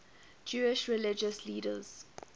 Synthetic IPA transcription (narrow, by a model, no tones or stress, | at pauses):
d͡ʒuːɪʃɹɪlɪd͡ʒəsliːdə̰z̥